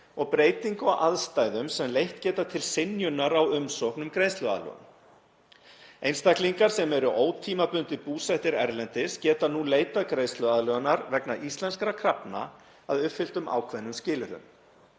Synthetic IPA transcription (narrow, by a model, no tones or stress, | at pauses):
ɔɣpɾeːjt̪iŋkɔɣʔaðst̪aːjðʏmsɛmlejht̪cɛːt̪at̪ʰɪlsɪnjʏnːaɾawʏmsowhknʏmkɾejst̪lʏa̰ðlœ̰ɣʏ̰m | ejnst̪akliŋkaɾ̥sɛmɛɾʏʔoːwt̪ʰiːmapʏnt̪ɪpuːsɛht̪ɪɾɛɾlɛnt̪ɪscɛːt̪anuleːjt̪aðkɾeːjst̪lʏaðlœɣanaɾvɛknaʔist̪lɛnskɾakʰɾapna̰ | aðʏpfɪl̥t̪ʏma̰ːwkʰvɛnːʏmscɪːlʏɾʏ̰m